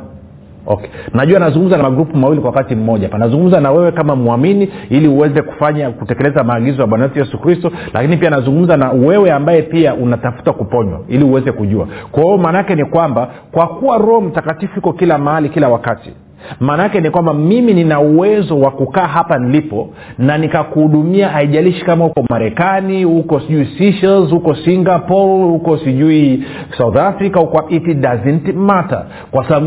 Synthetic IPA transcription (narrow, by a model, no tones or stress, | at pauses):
ɔ̰kɛ̥naʄuanazuŋɡum̩zanamaɡɾupumawilikwawakatim̩mɔʄapanazuŋɡum̩zanawɛwɛkamamuaminiiliuwɛzɛku̥faɲakutɛkɛlɛzamaːɠizɔjaɓwanaɛtujɛsukɾistɔlʔa̰kinipianazuŋɡum̩zanawɛwɛambajɛpiaʔunatafu̥takupɔɲwa̰iliuwɛzɛkuʄua̰kaɔɔmaːnaakɛnikwamba | kwakuwaɾɔm̩takatifuhikɔkilamaalikilawakatḭ | maːnakɛnikwambamimininauwɛzɔwakukaːɦapanilipɔ | nanikakuhuɗumiaaiʄaliʃi̥kamahukɔmaɾɛkanihukɔsiʄuisiʃɛlzhukɔsiŋɡapɔlhukɔsiʄui | sauθafɾikaukwaitiɗazintimata̰ | kwasaɓaɓ